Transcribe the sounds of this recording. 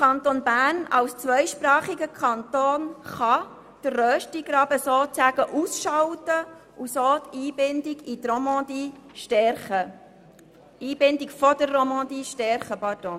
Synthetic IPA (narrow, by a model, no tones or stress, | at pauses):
kʰɑnt̪onbæːrnɑ̰wst͡sʋœɪʃpɾɑːχiɡəkʰɑnt̪oːnχɑ | d̥ərːœːʃtiɡ̥ɾɑbəsoːt͡sæɡəʔusʃɑwtə | usoːt̪iːbɪndɪɡit̪romɑ̃d̪iːʃtɛɾχə | iːbɪndɪkfɔd̥ərːɔmɑ̃d̪iːʃtɛɾχəpɑtɔ̃